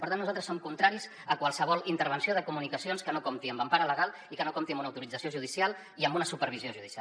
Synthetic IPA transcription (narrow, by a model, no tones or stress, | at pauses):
pəɾt̪anːuzalˠt̪ɾəsːomkunt̪ɾaɾiz | əkwalˠsəβɔlˠint̪əɾβ̞ənsioðəkumunikəsionskənokomt̪iəmbəmpaɾələɣalˠ | ikənokomt̪iəmbunəwt̪uɾid͡zəsioʒuð̞isialˠ | iəmbunəsupəɾβ̞izioʒuðisia